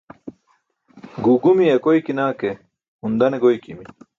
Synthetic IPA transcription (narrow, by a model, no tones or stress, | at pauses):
ɡuːɡumijɐkojkinaːke | und̪ɐneɡojkimi